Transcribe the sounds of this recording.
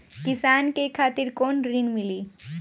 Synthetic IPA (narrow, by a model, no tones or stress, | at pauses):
kisaːnkekʰaːt̪iɾkoːnɾinmili